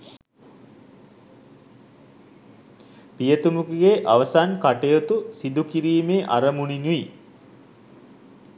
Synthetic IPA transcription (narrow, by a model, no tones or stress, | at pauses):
pijət̪umukiɡeʔaʋəsankaʈejot̪usid̪ukiɾiːmeːʔaɾəmuninui